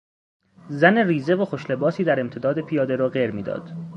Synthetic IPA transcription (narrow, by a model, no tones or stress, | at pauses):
zæneriːze̞voxoʃle̞bɒːsiːd̪æɾe̞mt̪ʰe̞d̪ɒːd̪epʰijɒːd̪e̞ɾɒːɢeɾmiːd̪ɒ̰ːd̪̥